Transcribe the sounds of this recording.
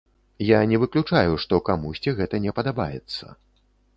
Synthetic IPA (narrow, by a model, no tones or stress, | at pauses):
janʲɛvɨklʲut͡ʂajuʂt̪ɔkamusʲt͡sʲiɣɛt̪ɐnʲɛpɐd̪abajɛ̰t̪sːɐ̰